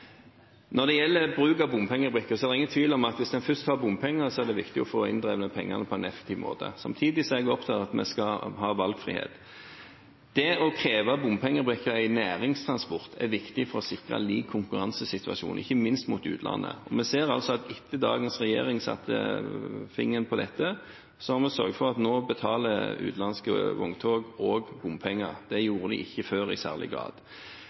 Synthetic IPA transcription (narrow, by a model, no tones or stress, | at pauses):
nɔd̪ɛjɛlːəbɾʉːkɑbʊmpʰɛŋːəbʁɪkːəʁsɔhɑdɛɪŋənt̪ʰʋiːlɔmɑt̪ʋɪsd̪ɛnfʏst̪hɑbʊmpʰɛŋːəsɔæd̪ɛʋɪkt̪ɪɔfoːɪ̰nd̪ɾʁeːʋənəpʰɛŋːɑ̰nəpʰɔɛɪnɛfɛ̥k̚t̪ʰiːʋmo̰ːt̪ʰə̰sɑmt̪ʰiːd̪ɪsɔɛɡɔpt̪ʰɑt̪ɑt̪mɛ̰skɑhɑːʋɑlɡfʁḭːhḛːt̪ | d̪̥ɛɔkʰɾeːʋɑbʊmpʰɛŋːəbʁɪkːəɾæɪnæːɾɪŋst̪ʰɾɑnspɔʁt̪ʰɛ̰ɾʋɪkt̪ɪfɔɾɔsɪkʁɑ̰liːkʰːʊŋkʉɾɑnsəsɪt̪ʋɑ̰ʃṵːnɪ̰çːəmɪnst̪muːt̪ʉ̰ːt̪ʰlɑ̰nːə̰ɔmɛseːɾɑ̰lsɔɑt̪ɪt̪ʰːəd̪ɑ̰ːɡənsʁɛjḛːʁɪŋsɑ̰t̪ʰːə̰fɪŋːənpʰɔd̪ɛt̪ːə | sɔhɑʁmɛsœɾɡfɔʁɑt̪noːbət̪ʰɑːləʉ̰ːt̪lɑnskəʋʊŋt̪ʰoːɡoːɡbʊmpʰɛŋːəʁd̪̥ɛjuːɾəd̪ɪ̰ʔɪçːəføːɾɪsæ̰ːʁlɪ̰ɡɾɑ̰ːd̪̥